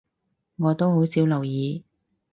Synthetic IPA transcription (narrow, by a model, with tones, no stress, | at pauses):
ŋɔː˨˧t̪o˥who˨˥wsiː˨˥wlɐ˨˩wjiː˨˧